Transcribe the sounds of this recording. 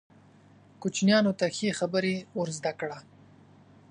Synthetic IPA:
kut͡ʃnjɑnot̪axexabəɾeoɾzd̪akɽa

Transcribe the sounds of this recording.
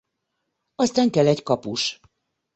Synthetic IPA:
ɒst̪aːŋkɛlːɛckɒpuʃ

